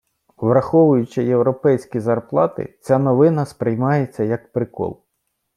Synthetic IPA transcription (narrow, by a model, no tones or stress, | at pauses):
ʋɾɐxɔʋʊjʊt͡ʃɪjewɾɔpɛjsʲkʲizɐrplˠɑt̪ɪ̰t͡sʲanɔʋɪnɐspɾɪjmɑjet͡sʲːɐjɐk̚pɾɪkɔ̰lˠ